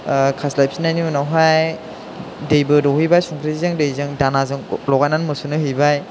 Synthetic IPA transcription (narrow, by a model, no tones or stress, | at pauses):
kʰaslajp̚sinaniunawɦaj | dejbɯdɔɦɯjbajsuŋkʰɾiizɯŋdejzɯŋdanazɯŋlɔɡajnanmɯsunɯɦɯjbaj